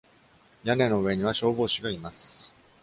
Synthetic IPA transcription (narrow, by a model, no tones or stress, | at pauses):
jane̞no̞ɯβe̞ɲ̟iβ̞aɕo̞ːbo̞ːɕiɡaimasɨ̥